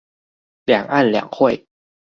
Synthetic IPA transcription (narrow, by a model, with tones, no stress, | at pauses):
lɛ˨˩˦ŋʔa˥˩nlɛ̰˨˩˦ŋxʰu˥˩˨j